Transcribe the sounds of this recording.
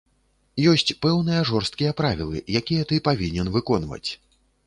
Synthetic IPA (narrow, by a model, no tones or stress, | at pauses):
jɔsʲt͡sʲpɛwnɨjɐʐɔrst̪̚kʲijɐpɾavʲilˠɨ̰jakʲijɛt̪ɨpavʲinʲɛnvɨkɔnvɐ̰t͡sʲ